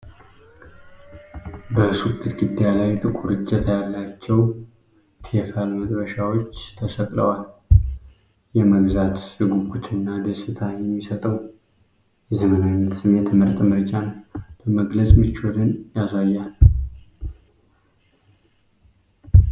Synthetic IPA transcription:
bəsukʼːɨt̪ɡɨd̪ːjalajt̪ʼɨkʼuɾɨt͡ʃʼːɛt̪ʰjalːat͡ʃːɛw | t̪ʰefalməd̪bəʃawo̞t͡ʃːt̪ʰəsək̪ʼlə̰wal | jɛməɡzat̪sɨɡuɡut̪ʰɨnːad̪əsɨt̪ʰajɛmːisət̪ʼəw | jɛzəmənawnːət̪sɨmjɛt̪ʰməɾt̪ʼmɨɾt͡ʃʼanb̥əməɡləsʼmɨt͡ʃːoɾɨnjasajːal

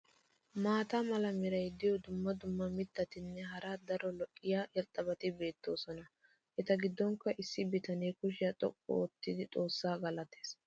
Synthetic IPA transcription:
maːt̪amɐlɐmɪɾɐjd̪ɪjɔd̪ʊmːɐd̪ʊmːɐmɪt̪ːɐt̪ɪnːɛɦɐɾad̪ɐɾɔlɔʔʼːɪjaʔɛɾt̪ʼɐbɐt̪ɪbe̞ːt̪ːo̞ːsɔnɐ | ʔɛt̪ɐɡɪd̪ːɔŋkːɐʔɪsːɪbɪt̪ɐneːkʊʃɪjɐt̪ʼɔ̰kʼːɔ̰ːt̪ːɪd̪ɪt̪ʼo̞ːsːaːɡɐlɐt̪eːs

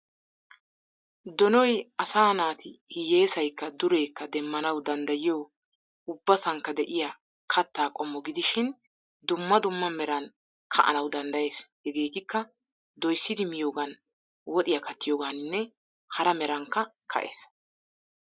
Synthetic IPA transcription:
d̪ɔnɔjɐsaːnaːt̪ɪjeːsɐjkːɐd̪ʊɾe̞ːkːɐd̪ɛmːɐnɐwd̪ɐnd̪ɐjɪjow | ʊbːɐsɐŋkːɐd̪ɛʔɪja | kʰɐt̪ːaːkʼɔmːɔɡɪd̪ɪʃɪn | d̪ʊmːɐd̪ʊmːɐmɛɾɐn | kʰɐ̰ʔɐ̰nɐwd̪ɐnd̪ɐjeːshɛɡe̞ːt̪ɪkːɐ | d̪ɔjsːɪd̪ɪmɪjoːɡɐn | wɔt̪ʼɪjɐkɐt̪ːɪjoːɡaːnɪnːɛ | hɐɾɐmɛɾɐŋkːɐ | kʰɐ̰ʔes

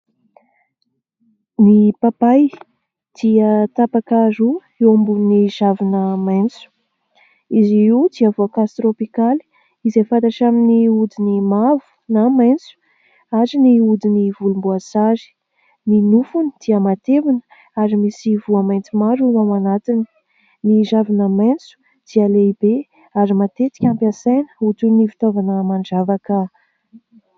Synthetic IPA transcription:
nipapaj | d̪̥iət̪apakaɾu | ewambunnizavinəmajnt͡su̥ | iziid̪iavoakast̪ropikali̥ | izefant̪aʈ͡ʂaminiud̪inimavu̥namajnt͡su̥ | aɾiniud̪inivulumbuasazi̥ | ninufuni̥d̪̥iəmat̪evinə̥ | aɾimisivuamajnt͡simaɾuawanat̪ini̥ | niɾavinamajnt͡su̥ | d̪̥ialeibe | aɾimat̪et̪i̥kʲampjasajnə̥ut̪unifi̥t̪ovanəmaɳd͡ʒavakə

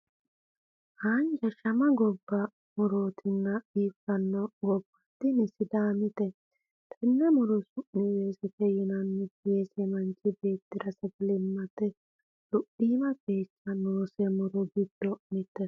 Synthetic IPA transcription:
haːnd͡ʒɐʃɐmɐɡɔbːɐ | mʊɾoːt̪ʰɪnːɐiːfɐnːɔɡɔbːɐt̪ːɪnɪsɪd̪aːmɪt̪ɛ | t̪ʰɛnːɛmʊɾɔsʊʔnɪjeːsɛkɛjɪnɐnːɪkeːsɛmɐnt͡ʃːɪbe̞ːt̪ːɪɾɐsɛɡɛlɪmːɐt̪ɛ | lʊʔiːmɐkeːt͡ʃːɐnoːsɛmʊɾɔɡɪd̪ːɔmɪt̪ːɛs

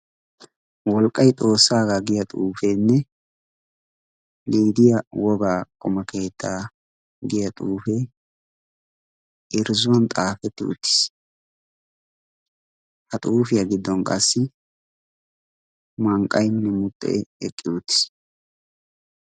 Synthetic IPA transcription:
wɔlkʼːɐjt̪ʼo̞ːsːaːɡaːɡɪjɐt̪ʼuːfeːnːɛ | liːd̪ɪjɐwɔɡaːkʼɔmɐke̞ːt̪ʰːaː | ɡɪjɐt̪ʼuːfeː | ɪɾzʊwɔnt̪ʼaːfɛt̪ːɪ̰ʔʊ̰t̪ːɪ̥s | hɐt̪ʼuːfɪjɐɡɪd̪ːɔnkʼɐsːɪ | mɐŋkʼːɐjnːɛmʊt̪ʼːɛ̰ʔɛɛkʼːɪʊt̪ːɪ̥s

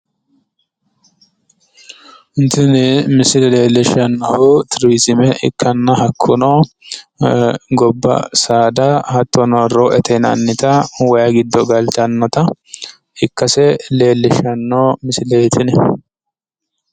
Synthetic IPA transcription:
ɪnt̪ɪnɛmɪsɪlɛle̞ːlːɛʃɐnːɐhʊt̪ɪɾwisɪmɛʔɪ̰kʰːɐnːɐɦɐkʰːʊno | ɡɔbːɐ̰saːd̪ɐhɐt̪ʰːɔnɔɾoʔɛt̪ʰɛnɐ̰nːɪt̪ɐwɐjɐɡɪd̪ːɔɡɐlt̪ɐnːɔt̪ɐ | ɪkːɐsɛle̞ːlːɛʃɐnːoːmɪsɪlɛt̪ʰɪnɛ

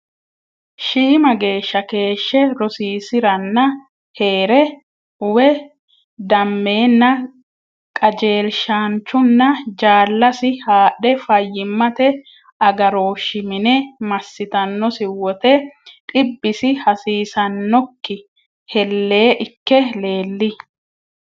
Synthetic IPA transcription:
ʃiːmɐɡe̞ːʃːɐke̞ːʃːɛɾɔsiːsɪɾɐnːɐ | he̞ːɾɛ | ʊwɛ | d̪ɐmːe̞ːnːɐ | kʼɐd͡ʒe̞ːlʃaːnt͡ʃːʊnːɐd͡ʒaːlːɐsɪhaːɗɛfɐjːɪmːɐt̪ɛ | ɐɡɐɾo̞ːʃːɪmɪnɛmɐsːɪt̪ɐnːɔsɪwɔt̪ɛᶑʼɪbːɪsɪhɐsiːsɐnːɔkːɪ | hɛlːe̞ːʔɪkːɛle̞ːlːɪ

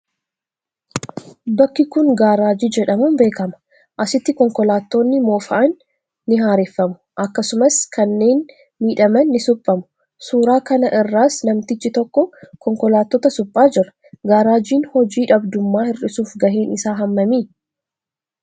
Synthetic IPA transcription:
bɐkːɪkʊŋɡaːɾaːd͡ʒiːd͡ʒɛᶑɐmuːnbe̞ːkɐmɐ̥ | ʔɐsɪt̪ːɪkɔŋkɔlaːt̪ːo̞ːnːɪmoːfɐʔɐnː | ɪɦaːɾɛfːɐmʊ̥ | ʔɐkːɐsʊmɐskʰɐnːe̞ːn | miːᶑɐmɐnːɪsʊpʼːɐmʊ̥ | suːɾaːkɐnɐʔɪrːaːsnɐmt̪ɪt͡ʃːɪt̪ɔkːɔkɔŋkɔlaːt̪ːɔːt̪ɐsʊpʼːaːd͡ʒɪɾɐ̥ | ɡaːɾaːd͡ʒiːnhɔd͡ʒiːᶑɐbd̪ʊmːaːhɪrɪsuːfɡɐɦeːnɪsaːɦɐmːɐmiː

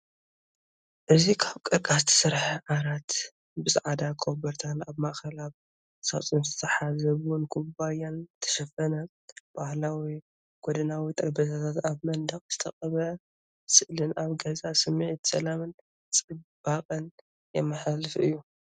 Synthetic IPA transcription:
ʔɨzikʰaβkʼɨɾkʼasɨt̪ʰɨ̥sɨɾħɐʕaɾat̪ | bɨzʕad̪akʰobɐɾt̪ʰanaβmaʔkʰɐlaβ | sat͡sʼumzt̪ʰɐħazɐβwunkʰubajant̪ʰɐ̥ʃɐfɐnɐ | b̥ahlawi | ɡ̥od̪ɐnawit̪ʼɐɾbɐt̪ʰat̪ʰat̪aβmɐnd̪ɐχʼz̥ɨt̪ʰɐχʼɐβɐ | sɨʔlɨnaβɡɐzasɨmiʕit̪sɐlamɨn | t͡sʼɨb̥aqʼɨn | jɛmːɨħalɨfɨ̰jːu

